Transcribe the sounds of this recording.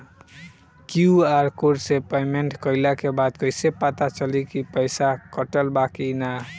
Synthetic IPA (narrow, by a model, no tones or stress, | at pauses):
kjuaɾkoɖsepajmeɳʈkəɪlakebad̪kəɪsepat̪at͡ʃəlikipəɪsakəʈəlbakina